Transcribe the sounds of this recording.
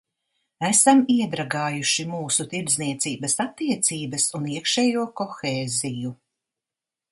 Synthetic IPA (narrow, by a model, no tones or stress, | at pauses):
æsamiɛd̪ɾaɡaːjuʃimuːsut̪iɾd̪zniɛt̪siːbɐsat̪ːiɛt̪siːbɐsuniɛkʃɛːjuɔkɔxeːziju